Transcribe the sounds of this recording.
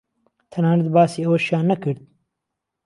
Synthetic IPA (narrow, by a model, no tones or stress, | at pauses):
t̪ʰɐnaːnɨt̪̚baːsiːɐwɐʃjaːnːɐkɨɾd̪̚